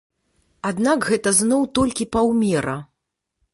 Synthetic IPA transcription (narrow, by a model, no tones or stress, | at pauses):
ad̪nakɣɛt̪ɐznɔwt̪ɔlʲkʲipawmʲɛɾɐ